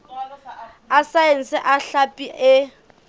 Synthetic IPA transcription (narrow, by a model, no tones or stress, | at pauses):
asaen̩sɪʔaɬapʼiʔɪ